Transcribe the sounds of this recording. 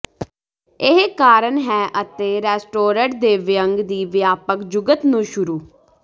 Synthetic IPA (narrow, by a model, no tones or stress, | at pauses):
ɪɦkaːɾənɦɛːʔət̪eːɾɛːsʈoːɾəɳʈ̚d̪eːʋɪjəŋɡd̪iːʋɪjaːpəkd͡ʒʊɡət̪nũːʃʊɾuː